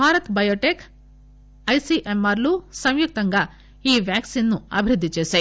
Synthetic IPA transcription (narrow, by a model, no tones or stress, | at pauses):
bʱaːɾɐt̪bɐjoːʈeːk | ɐjsiʔemaːɾlusɐ̃mjuk̚t̪ɐŋɡɐ | iːʋjaːksinːuɐ̰bʱiɾid̪ʱːit͡ʃeːse